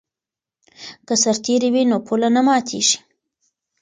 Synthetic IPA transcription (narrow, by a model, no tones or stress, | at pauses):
kəsaɾt̪eɾiwinopʰulanamɑt̪ʰeʒi̥